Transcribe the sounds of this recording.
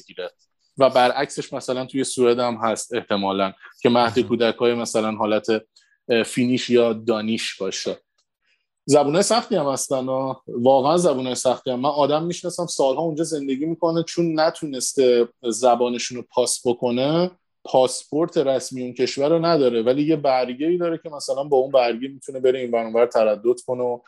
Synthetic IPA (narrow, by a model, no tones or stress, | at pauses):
iɾe | væbæɾʔæcse̞ʃmæsælænt̪ʰuje̞suːɾed̪æmɦæst̪e̞ht̪ʰe̞mɒːlæncʰe̞mæhd̪ekʰuːd̪ækʰɒːjemæsælænɦɒːlæt̪ʰe̞ | fiːniːʃjɒːd̪ɒːniʃbɒːʃe | zæbunɒːjesæxt̪iæmhæst̪ænɒːvɒːɣeænzæbuːnɒːjesæxt̪iæmːænɒːd̪æmːiʃnɒsæmsɒːlɦɒːund͡ʒɒːze̞nd̪e̞ɟiːmiːko̞net͡ʃʰunːæt̪ʰuːne̞st̪e̞zæbɒːneʃunopʰɒːsbokʰo̞ne̞ | pʰɒːspʰo̞ɾt̪ʰe̞ɾæsmijuncʰe̞ʃvæɾonæd̪ɒːɾe̞væliːje̞bæɾɟeiːd̪ɒːɾecʰe̞mæsælænbɒːunbæɾɟemit̪ʰune̞be̞ɾe̞iːnbænɔːbæɾt̪ʰæɾæd̪ːod̪̥kʰo̞neo